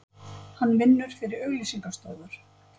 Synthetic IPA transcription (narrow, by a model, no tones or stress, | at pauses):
hanːvɪnːʏɾ̥fɪɾɪɾœɣlisiŋkast̪ɔːwðaɾ̥